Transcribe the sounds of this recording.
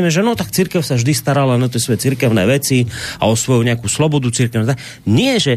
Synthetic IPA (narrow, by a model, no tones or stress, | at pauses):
mɛʒɛnɔt̪akt͡siɾkɛʊsaʒd̪ist̪aɾalanat̪̬jɛsʋɔjɛt͡siɾkɛʊnɛ̰ːʋɛt͡sia̰ɔsʋɔjuɲɛakuːslɔbɔd̪ut͡siɾkɛʊnat̪a | ɲɪɛʒɛ